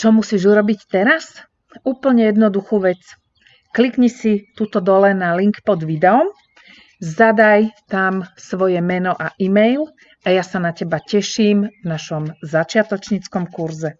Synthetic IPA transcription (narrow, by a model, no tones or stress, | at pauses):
t͡ʃɔmusiːʒuɾɔbict̪ɛɾas | uːpl̩ɲɛjɛd̪nɔd̪uxuːʋɛt͡s | klikɲɛsit̪ut̪ɔd̪ɔlɛnaliŋkpɔd̪ʋid̪ɛɔm | zad̪ajt̪amsʋɔjɛmɛnɔʔaʔimɛjl | ʔajasanacɛbacɛʃiːmvnaʃɔmzat͡ʃɪat̪ɔt͡ʃɲit͡skɔmkuɾzɛ